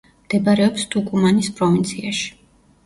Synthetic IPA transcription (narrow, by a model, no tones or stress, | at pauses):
md̪̥ɛbaɾɛɔpst̪ʰukʼumanispʼɾɔvint̪sʰiaʃi̥